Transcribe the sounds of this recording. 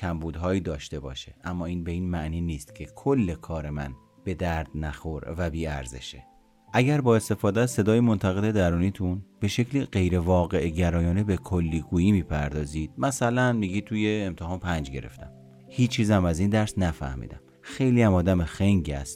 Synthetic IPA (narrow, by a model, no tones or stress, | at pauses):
cʰæmbuːd̪ɦɒːiːd̪ɒːʃt̪e̞bɒ̰ːʃeʔæmːɒːiːnbeiːnmæʔniːniːst̪cʰe̞kʰolːe̞kʰɒːɾe̞mæn | b̥e̞d̪æɾd̪̥næxoɾvæbiːæ̰ɾzḛʃe | ʔæɟæɾbɒːe̞st̪e̞fɒːd̪eæzse̞d̪ɒːjimo̞nt̪ʰæɣe̞d̪e̞d̪æɾuːniːt̪ʰunb̥e̞ʃe̞cʰliɢe̞jɾe̞vɒːɣe̞ʔɟæɾɒːjɒːnebekʰolːiːɡuːjiːmiːpʰæɾd̪ɒːziːd̪̥̚mæsælænmiɡiːt̪ʰujeːmt̪ʰehɒːnpʰænd͡ʒɟe̞̰ɾe̞̰ft̪ʰæm | hiːt͡ʃt͡ʃʰːiːzæmæziːnd̪æɾsnæfæ̰hmḭːd̪æ̰m | xe̞jliːæmɒːd̪æmexeŋɟæ̰st̪